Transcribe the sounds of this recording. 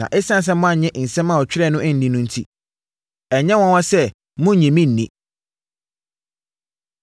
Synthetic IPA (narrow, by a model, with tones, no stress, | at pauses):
ã̰˨ʔɪ˦sã˦n˨s̬ɛ̃˦mʊ̃˦a˨ɲɛ̃˦ʔn̩˨sɛ̃˦mã˨wɔ˨t͡ɕᶣɪ˦ɾɛ˦˨nʊ̃˦ʔɪ̃˦n̩˨dĩ˦nʊ̃˦n̩˦tʰi˦ | ɛ˨ɲɛ̃˦wɔ̃˦wɔ̃˦sɛ˦ | mʊ̃˦ɲɛ̃˨mĩ˦n̩ː˨ḭ̃˨